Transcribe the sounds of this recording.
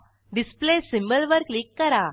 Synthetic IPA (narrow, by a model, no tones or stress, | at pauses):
ɖisplesimbəlʋəɾklikːəɾa